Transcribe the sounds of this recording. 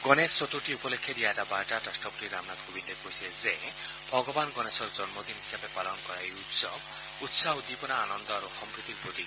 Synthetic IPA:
ɡ̥ɔnesːot̪uʈiupɔlekʰːjeɾiatabalʈaʈasʈɔpuʈiɾamnat̪ɡʱubindekoɦisieze | bʱɔɡɔbanɡɔnesɔɾd͡ʒɔnmod̪inɦisabepalɔnkɔɾaejut̪sɔb | ut̪saɦud̪ipɔnaanɔnd̪ɔaɾuxɔmpɾit̪iɾpɾot̪i

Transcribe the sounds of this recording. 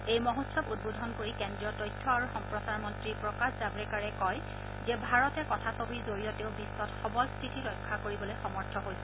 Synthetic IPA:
ejmɔɦotsɔpud̚bodʱɔnkoɹikɛndɹiɔtɔjtʰːɔaɹuxɔmpɹɔsaɹmɔntɹipɹɔkaszabɹɛkaɹɛkɔj | zɛbʱaɹɔtɛkɔtʰasobiɹzoɹijɔteʊbisːɔtxɔbɔlstʰɹitiɹɔjkʰːakoɹibɔlojxɔmɔɹtʰɔɦojsɛ

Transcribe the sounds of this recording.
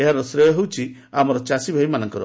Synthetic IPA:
eɦaɾɔsɾejɔɦewt͡ʃʰi | amɔɾɔt͡ʃasibʱajmanɔŋkɔɾɔ̰

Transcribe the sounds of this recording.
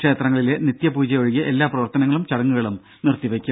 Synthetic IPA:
ʂeːt̪rɐŋːɐɭile̞nit̪jɐpuːd͡ʑɐjoɻiɣɐʔe̞lːaːprɐʋɐrt̪ɐnɐŋːɐɭumt͡ɕɐɽɐŋːuɣɐɭum | nirt̪iʋekʲːu

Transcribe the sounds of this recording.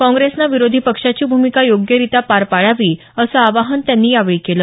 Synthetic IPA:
kɔ̃ŋɡɾesnaʋiɾod̪ʱipəkʂat͡ɕiːbʱumikajoɡjəɾit̪apaɾpaɭaʋiː | əsəaʋaɦənt̪janːiːaʋɭiːkeləː

